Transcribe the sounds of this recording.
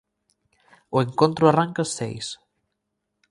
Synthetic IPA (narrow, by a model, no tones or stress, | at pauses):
oeŋkont̪ɾoaraŋkasḛjs